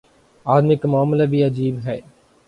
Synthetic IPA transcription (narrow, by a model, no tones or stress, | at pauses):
aːd̪mɪkmʊaːmlabʱiɐd͡ʒiːbɦɛː